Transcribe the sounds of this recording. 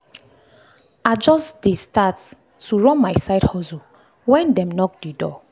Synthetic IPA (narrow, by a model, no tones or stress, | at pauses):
ad͡ʒɔsdestat | tuɹɔ̃nmaɪsaɪdhɔzu | wɛ̃ndɛ̃mnɔk̚dedɔ